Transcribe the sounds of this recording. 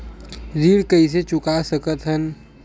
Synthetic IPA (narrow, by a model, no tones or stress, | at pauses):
ziːɽkəis̬et͡ʃʊkasəkət̪ɦən